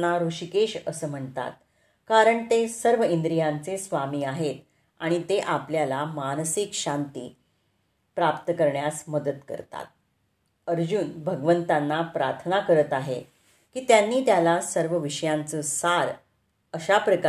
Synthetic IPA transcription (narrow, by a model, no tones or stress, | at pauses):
nːaɾuɕikeɕəsəːm̤əɳt̪a̰t̪̚ | kaɾəɳt̪esəɾʋəind̪ɾijãnt͡sesʋamiːaɦet̪̚ | aɽ̃it̪eʔapljalamansikɕant̪iː | pɾapt̪əkəɾɳjasməd̪ət̪kə̰ɾt̪a̰t̪̚ | əɾd͡ʑuːnbʱəɡʋənt̪anːapɾaɾt̪ʰnakəɾət̪aɦe | kiːt̪janːiːt̪jalasəɾʋəʋiɕəjãnt͡səːsaɾ | əɕapɾək